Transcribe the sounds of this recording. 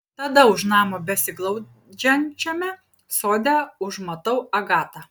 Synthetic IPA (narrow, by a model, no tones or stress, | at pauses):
t̪ɐd̪ɐʊʃnɑːmobʲɛsʲɪɡlˠɐʊ | d͡ʒʲɛnʲt͡ʃʲɛmʲɛ | soːd̪ʲɛʊʒmɐt̪ɐʊɐɡɑːt̪ɑ